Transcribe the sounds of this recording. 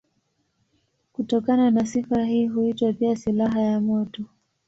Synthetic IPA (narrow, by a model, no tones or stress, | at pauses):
kutɔkananasifaɦiːɦuitwapiasilaɦajamɔtɔ